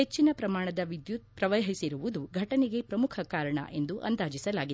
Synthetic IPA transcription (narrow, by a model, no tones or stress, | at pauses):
et͡ʃːinɐpɾɐmaːɳɐd̪ɐʋid̪jut̪̚pɾɐʋɐɦisiɾuʋud̪uɡʱɐʈɐneɡe̞pɾɐmukʰɐkaːɾɐɳɐ̰ʔe̞nd̪uʔɐ̰nd̪aːd͡ʒisɐlaːɡi